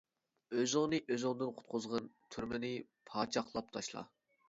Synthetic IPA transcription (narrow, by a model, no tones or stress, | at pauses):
øzɪŋnɨʔøzɪŋd̪ɨnqʰʊ̥t̪̚qʰʊzʁɑnt̪ʰyɾmɪnɪpʰɑːt͡ʃʰɑχlˠɑp̚t̪ʰɑʃlˠɑ̰